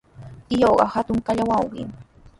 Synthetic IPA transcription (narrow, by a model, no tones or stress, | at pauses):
t̪ɪjoɢɑ̰hat̪ʊŋkaʎawɑwɢɪ̰ŋ